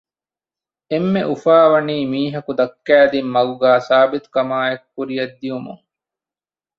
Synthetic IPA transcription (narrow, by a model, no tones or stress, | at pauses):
emːeʔufaːʋɐniːmiːɦɐkud̪ɐkːæːd̪imːɐɡuɡæːsaːbit̪u̥kɐmaːekːuɾijɐd̪ːijumṵŋ